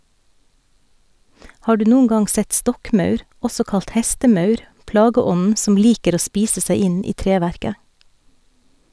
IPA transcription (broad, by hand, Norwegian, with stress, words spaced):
ˈhɑː ˈɖʉː ˈnuːn ˈɡɑŋ ˈsɛt ˈstɔkˌmœʉɾ ˈɔsɔ ˈkɑlt ˈhɛstəˌmœʉɾ ˈplɑːɡəˌɔnn̩ sm̩ ˈliːkəɾ ˈoː ˈspiːsə ˈsæɪ ˈɪn ˈiː ˈtɾeːˌʋæɾkə